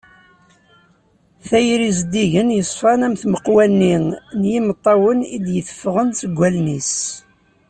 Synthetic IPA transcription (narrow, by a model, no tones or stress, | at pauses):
θæjɾizd̪iʝənjəsˤfɑnæmθməqwænːiŋnjimət̪ˤːɑwənid̪jəθfːəʁənsəɡʷːælnis